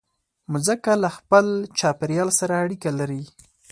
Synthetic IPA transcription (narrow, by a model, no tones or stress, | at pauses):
mʊzakalaxpəlt͡ʃɑpɪɾjɑlsaɾaːɽikalaɾi